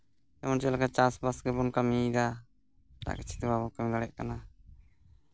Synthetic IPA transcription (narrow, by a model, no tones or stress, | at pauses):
ɛmɔnt͡ʃɛlakat͡ʃasbasɡɛbɔnkamid̪a | ʈa̰ʔkit͡ʃʰi̥t̪ɛbabɔkamilaɽɛʔ̚kana